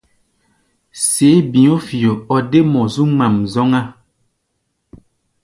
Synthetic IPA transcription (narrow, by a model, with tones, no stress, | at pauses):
se˨˦bĩ˨o˦fi˨o˨ɔ˨de˦mɔ̃˨zu˦ŋ͡ma˨mzɔ˦ŋa˦